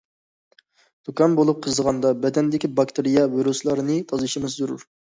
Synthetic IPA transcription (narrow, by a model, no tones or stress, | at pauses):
d̪̥ukɑnbolˠup̚qʰəzəʁɑnd̪ɑbɛd̪ɛnd̪ɪkʲibɑkt̪ɨɾijɑviɾuslˠɑɾɨnɨt̪ʰɑzɨʃimɨzzuɾṵɾ